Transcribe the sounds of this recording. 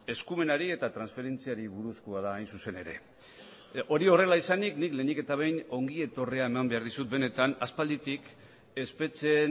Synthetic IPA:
e̞skume̞naɾie̞t̪at̪ɾansfe̞ɾe̞nt͡siaɾiβuɾuskoaðaːjnsuse̞ne̞ɾe̞̰ | o̞ɾio̞re̞laisaniknikle̞ːnike̞t̪aβ̞e̞jno̞ŋɡie̞t̪o̞re̞ae̞mambe̞aɾðisut̪̚be̞ne̞t̪anaspald̪it̪ik | e̞spe̞t͡se̞n

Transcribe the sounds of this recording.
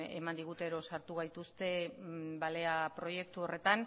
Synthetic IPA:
e̞̰mand̪iɣut̪e̞ɾo̞saɾt̪uɣ̞ajt̪ust̪e̞bale̞apɾo̞je̞k̚t̪uo̞re̞t̪an

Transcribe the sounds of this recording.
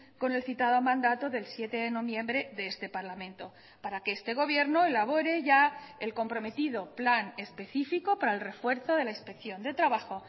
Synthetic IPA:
ko̞ne̞lθit̪að̞o̞mãnd̪at̪o̞ðe̞lsje̞t̪e̞ðeno̞βjẽ̞mbɾe̞ðeest̪e̞paɾlamẽ̞nt̪o̞ | paɾakeest̪e̞ɣ̞o̞β̞je̞ɾno̞elaβ̞o̞ɾe̞ʝaelko̞mpɾo̞me̞t̪ið̞o̞plane̞spe̞θifiko̞paɾaelre̞fwe̞ɾθo̞ð̞e̞lainspe̞kθjo̞nd̪e̞t̪ɾaβaxo̞

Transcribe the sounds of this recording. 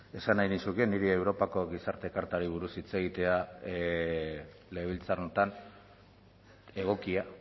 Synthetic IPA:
e̞sanajnisukeniɾiewɾo̞pako̞ɣisaɾt̪e̞kaɾt̪aɾiβ̞uɾusit͡se̞ɣ̞it̪e̞a | le̞βilt͡sarnot̪an | e̞ɣ̞o̞kia

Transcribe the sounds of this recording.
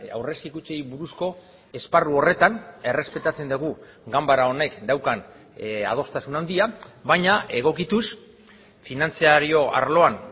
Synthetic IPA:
a̰wre̞skikut͡sejβuɾusko̞ | e̞sparuo̞re̞t̪ane̞re̞spe̞t̪at͡se̞nd̪eɣu | ɡambaɾao̞ne̞kd̪awkan | a̰ð̞o̞st̪asunand̪iaβaɲae̞ɣ̞o̞kit̪us | finant͡siaɾio̞a̰ɾlo̞an

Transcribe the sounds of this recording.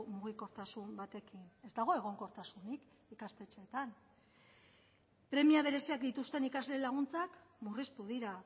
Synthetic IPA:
muɣ̞iko̞ɾt̪asumbat̪e̞kine̞zd̪aɣ̞o̞e̞ɣ̞o̞ŋko̞ɾt̪asunik | ikaspe̞t͡ʃe̞ːt̪an | pɾe̞miaβ̞e̞ɾe̞siakd̪it̪ust̪e̞nikazle̞laɣunt͡sakmurist̪uðiɾa

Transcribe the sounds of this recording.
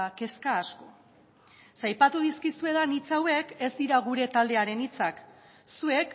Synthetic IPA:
ke̞skaːsko̞ | sajpat̪uð̞iskisue̞ðanit͡sawe̞ke̞zd̪iɾaɣ̞uɾe̞t̪ald̪e̞aɾe̞nit͡sak | sue̞k

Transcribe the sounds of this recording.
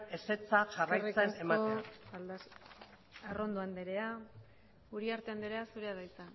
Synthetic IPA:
e̞se̞t͡saʝarajret͡senemaol | aro̞nd̪oand̪e̞ɾea | uɾiaɾt̪e̞and̪eɾe̞asuɾe̞aðajt͡sa

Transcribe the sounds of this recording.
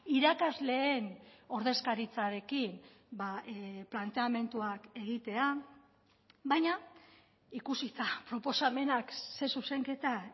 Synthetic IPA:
iɾakazle̞ːno̞ɾðe̞skaɾit͡saɾe̞kin | baplant̪e̞ame̞nt̪uake̞ɣ̞it̪e̞a | βajɲa | ikusit̪apɾo̞po̞same̞nakse̞suse̞ŋke̞t̪a

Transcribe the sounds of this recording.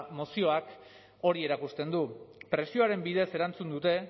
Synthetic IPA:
mosio̞ak | o̞ɾie̞ɾakust̪e̞nd̪upɾe̞sio̞aɾe̞mbiðe̞se̞ɾant͡sund̪ut̪e̞

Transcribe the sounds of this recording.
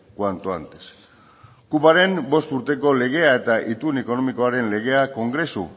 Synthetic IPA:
kwant̪oant̪es | kupaɾe̞mbo̞st̪uɾt̪e̞ko̞le̞ɣ̞e̞ae̞t̪aʔit̪une̞ko̞no̞miko̞aɾe̞nle̞ɣ̞e̞ako̞ŋɡɾe̞sṵ

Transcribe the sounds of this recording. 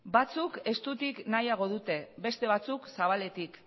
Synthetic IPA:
bat͡suke̞st̪ut̪iknajaɣ̞o̞ðut̪e̞be̞st̪e̞β̞at͡suksaβ̞ale̞t̪ik

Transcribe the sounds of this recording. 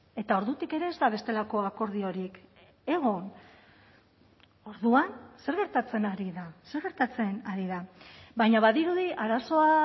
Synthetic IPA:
e̞t̪ao̞ɾðut̪ike̞ɾe̞ːzd̪aβ̞e̞st̪e̞lako̞ako̞ɾðio̞ɾik | e̞ɣ̞o̞n | o̞ɾðuanse̞ɾɣe̞ɾt̪at͡se̞naɾiðase̞ɾɣe̞ɾt̪at͡se̞naɾiðaβajɲaβaðiɾuðiʔaɾaso̞a

